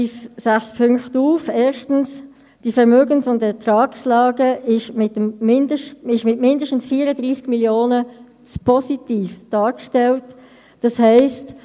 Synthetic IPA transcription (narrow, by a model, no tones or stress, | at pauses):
yfsæχspʰʏŋktuːfɛːɾʃtən̩s | d̥ifɛʁmøːɡənsʊntɛtɾɑːkslɑːɡəɪʃmɪtəmmɪndəʃɪʃmɪtmɪndəʃtən̩sfiːəɾədʁiːsɡ̥miljoːnə | t͡spʰɔsitiːfd̥ɑːkʃtɛlt | d̥ɑshɛɪst